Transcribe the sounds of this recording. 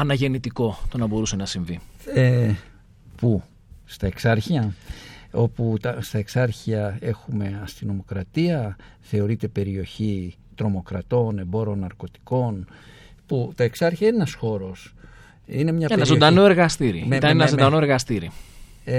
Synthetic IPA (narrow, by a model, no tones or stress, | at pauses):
ɐnɐʝe̞nit̪iko̞t̪o̞nɐbo̞ɾuse̞nɐsiɱvie | pu | st̪ɐe̞ksɐɾçiɐ | o̞put̪ɐst̪ɐe̞ksɐɾçiɐe̞xume̞ɐst̪ino̞mo̞kɾɐt̪iɐθe̞o̞ɾit̪e̞pe̞ɾio̞çi | t̪ɾo̞mo̞kɾɐt̪o̞ne̞bo̞ɾonːɐɾko̞t̪i̥ko̞n | put̪ɐe̞ksɐɾçiɐinenɐsxo̞ɾo̞s | ine̞mɲɐpeneɐzod̪ɐnoe̞ɾɣɐst̪iɾimet̪ɐenɐzod̪ɐnoeɾɣɐst̪iɾi